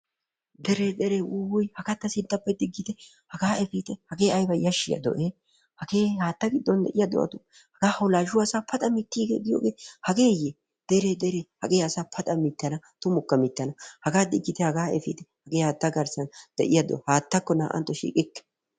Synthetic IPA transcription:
d̪ɛɾed̪ɛɾeʔʊwʊjhɐɡɐt̪ːɐsɪnt̪ːɐpːɐjd̪ɪɡːɪt̪ɛ | hɐɡaːɛfiːt̪ɛhɐɡe̞ːɐjbɐjɐʃːɪ̰jɐ̰d̪ɔ̰ʔe | hɐɡeːhaːt̪ːɐɡɪd̪ːɔnd̪ɛ̰ʔɪjɐd̪ɔ̰wɐ̰t̪ʊ | hɐɡaːhɐwlaːʒʊwasaːpʰɐt̪ʼɐmɪt̪ːiːɡeːɡ̪ɪjoːɡeːhɐɡe̞ːje | d̪̥ɛɾed̪ɛɾehɐɡe̞ːɐsaːpʰɐt̪ʼɐmɪt̪ːɐnɐ | t̪ʊmʊkːɐmɪt̪ːɐnɐhɐɡaːd̪ɪɡːɪt̪ɛhɐɡaːɛfḭːt̪ɛhɐɡeːhaːt̪ːɐɡɐɾsɐnd̪̥ɛʔɪjɐd̪ɔ̰whaːt̪ːɐkːɔna̰ːʔɐ̰nt̪ːɔʃḭːkʼɪkːɛ̥

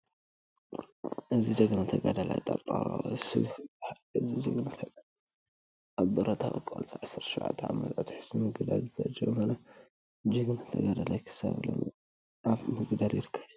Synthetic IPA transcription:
ʔɨzid͡ʒɐɡnat̪ʰɐɡad̪ala̰jt̪ʼɐɾt̪ʼaɾasɨ̰βa | ɨzid͡ʒɨɡnat̪ʰɐɡa | ʔaβbɨɾɐt̪ʰawkʼa̰lt͡sʼaʕasɨɾʃuwʕa̰t̪ʰːʕa̰mɐt̪ʼat̪ħɨ̥smɨɡd̪alzɨɐ̰d͡ʒɐβmala | d͡ʒɨɡnat̪ʰɐɡad̪alajkʰɨ̥sa̰βlo̰n | afmɨɡd̪aɾjɪɾɨkʰːɐβju

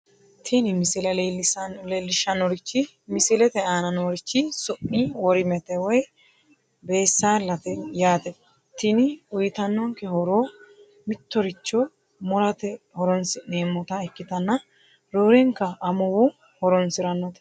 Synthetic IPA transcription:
t̪ʰɪnɪmɪsɪlɐlelslelːɪʃɐnɔɾɪt͡ʃːɪ | mɪsɪlɛt̪ɛaːnɐnoɾɪt͡ʃːɪsʊʔiwɔɾɪmɛt̪ɛwɔj | be̞ːsːaːlːɐt̪ɛjaːt̪ɛ | t̪ɪnɪʊjɪt̪ɐnːɔŋkɛhɔɾoː | mɪt̪ːɔɾɪt͡ʃːɔ | mʊɾɐt̪ɛ | hɔɾɔnsɪneːmːɔt̪ɐɛkːɪt̪ɐnːɐ | ɾoːɾɛŋkːɐʔːmʊwʊ | hɔɾɔnsɪɾɐnːɔt̪ɛ̥

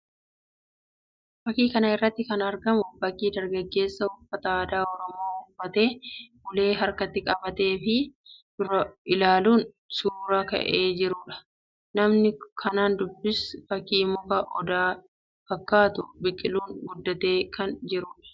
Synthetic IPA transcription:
fɐkiːkɐnɐɪrːɐt̪ːɪkɐnɐɾɡɐmʊfɐkːiːd̪ɐɾɡɐɡːe̞ːsːɐʊfːɐt̪ɐaːd̪aːɔɾɔmoːʊfːɐt̪e̞ːʊle̞ːɦɐɾkɐt̪ːɪkʼɐbɐt̪e̞ːfɪd̪̥ʊrɐɪlaːluːn | suːɾɐkɐ̰ʔeːd͡ʒɪɾuːᶑɐ̥ | nɐmnɪkʰɐnaːnd̪ʊbːɪsfɐkiːmʊkɐʔɔd̪aː | fɐkːaːt̪ʊbɪkʼːɪluːnɡʊd̪ːɐt̪e̞ːkʰɐnd͡ʒɪɾuːᶑɐ̥

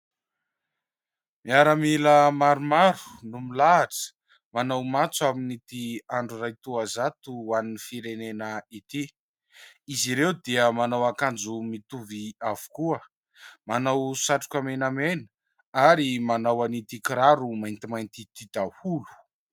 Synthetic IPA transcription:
miaɾəmiləmaɾumaɾu̥numilaːʈ͡ʂə̥ | manawmat͡suaminit̪iaɳɖ͡ʐurajt̪uazat̪uaninifiɾenenəit̪i | iziɾewd̪iəmanawakand͡zumit̪uviavu̥kuə | manawsaʈ͡ʂu̥kʲamenamenə̥ | aɾimanawanit̪ikiɾaɾumajnt̪imajnt̪it̪id̪ahulu̥

